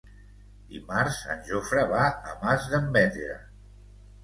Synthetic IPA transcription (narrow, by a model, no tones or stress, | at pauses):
d̪ḭmaɾza̰nʲʒofɾəβaəmazðəmbɛt̪eɾə̰